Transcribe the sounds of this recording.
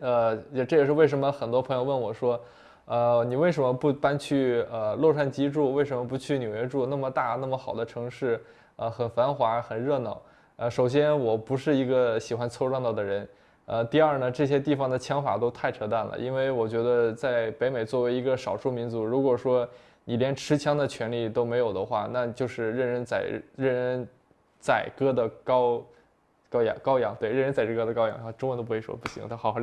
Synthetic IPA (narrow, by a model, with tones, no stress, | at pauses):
ə˧˩ʈ͡ʂɤ˥˩jɛ˨˩ʂɻ̩˥˧we˥˩ɪʂ̬ə˧˥nmə˧xə˨˩nt̪wɔ˥pʰɤ˧˥ŋjo˧wə˥˩nwɔ˨˩ʂwɔ˥ | ə˧ni˨˩we˥˩ɪʂə˧˥nmə˧pu˥˩pa˥nt͡ɕʰy˥˩ə˧lɔ˥˧ʂwa˥˩nt͡ɕi˥ʈ͡ʂu˥˧we˥˩ɪʂ̬ə˧˥mə˧p̬u˧˥t͡ɕʰy˥˩njo˨˩ʊjɛ˧˥ʈ͡ʂu˥˧na˥˩mə˩t̪a˥˩na˥˩mə˩xɑ˨˩ʊd̪ə˦ʈ͡ʂʰɤ˧˥ŋʂɻ̩˥˩ | ə˧xə˨˩nfa˧˥nxwa˧˥xə˨˩nɻɤ˥˧nɑ˥˩ʊ | ə˧ʂo˨˩ʊɕ̬jɛ˥nwɔ˨˩pu˧˥ʂɻ̩˥˩i˧˥ɡə˧ɕi˨˩xwa˧˥nt͡sʰwɔ˥˧ʊɻɑ˥˧ŋt̪ɑ˥˩ʊd̪ə˩ɻə˧˥n | ə˧t̪i˥˧ɐ˞˥˩nə˩ʈ͡ʂɤ˥˩ɕ̬jɛ˥t̪̬i˥˩fɑ˨˩ŋd̪ə˩t͡ɕʰjɑ˧˥ŋfa̰˨˩t̪o˥ʊt̪ʰa˥˩ɪʈ͡ʂʰɤ˧˥t̪a˥˩nlə̰˩ʔi˥nwe˥˩ɪwɔ˨˩t͡ɕɥɛ˧˥d̪ə˧t͡sa˥˩ɪpe˧˥ɪme˨˩ɪt͡swɔ˥˩we˧˥ɪi˧˥ɡə˧ʂɑ˨˩ʊʂu˥˩mi˧˥nt͡su˧˥ɻu˧˥kwɔ˨˩ʂwɔ˥ | ni˨˩ljɛ˧˥nʈ͡ʂʰɻ̩˧˥t͡ɕʰjɑ˥ŋd̪ə˨t͡ɕʰɥɛ˧˥nli˥˩t̪o˥ʊme˧˥ɪjo˨˩ʊd̪ə˦xwa̰˥˧na˥˩t͡ɕjo˥˧ʊʂɻ̩˥˧ɻə˥˧nɻə˥˩nt͡sa˨˩ɪ̰ɻə˥˩nɻə˥˧n | t͡sa˨˩ɪkɤ˥d̪ə˨kɑ˥ʊ | kɑ˥ʊjɑ̰˧˩ŋkɑ˥ʊjɑ˧˥ŋt̪we˥˧ɪɻə˥˧nɻə˥nt͡sa˨˩ɤ˥˩kɤ˥d̪ə˧kɑ˥ʊjɑ̰˨˩ŋɑ˥˩ʈ͡ʂʊ˥ŋwə˧t̪o˥pu˥we˥˩ɪʂɔ̰˥pu˥˩ɕḭ˧˥ŋ˧t̪ʰxx